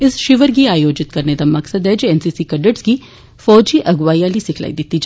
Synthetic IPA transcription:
ɪsʃɪʋəɾɡiaːjoːd͡ʒɪt̪kɐɾned̪amɐksəd̪ɦɛd͡ʒoɛːnsiːsikɐɖəʈski | fɔːd͡ʒiʔɐɡʋaːjalisɪkʰla̰ːid̪ɪt̪ːid͡ʒ

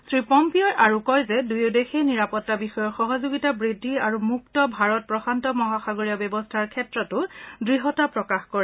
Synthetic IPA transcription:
sɹipɔmpiɔʔaɹukɔjzɛdujodexejniɹapɔtːabixɔjɔɹxɔɦɔzoɡitabɹidʱːiaɹumuktɔbʱaɹɔt̚pɹɔxantɔmɔɦaxaɡoɹiɔbɔbɔstʰaɹkʰɛtɹɔtʊdɹiɦɔtapɹɔkaxkɔɹɛ

